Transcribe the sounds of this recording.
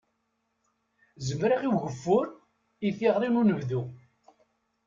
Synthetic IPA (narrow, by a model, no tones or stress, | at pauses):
zəmɾaʁiwʝəfːʊɾ | iθiʁɾˤinunəvðu